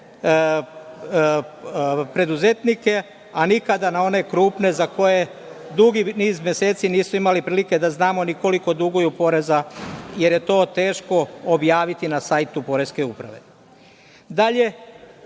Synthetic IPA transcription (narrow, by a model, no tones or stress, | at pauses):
pɾe̞d̪uze̞t̪nike̞ | anikad̪anao̞ne̞kɾuːpne̞zako̞je̞ | d̪uɡiniːzmje̞se̞ːt̪siniːsuimalipɾiːlike̞d̪aznaːmo̞niko̞liko̞d̪uɡojupo̞ɾe̞zaje̞ɾje̞t̪o̞ːt̪e̞ːʃko̞objaːʋit̪inasajt̪upo̞ɾe̞ske̞upɾa̰ʋe̞̰ | d̪aʎe̞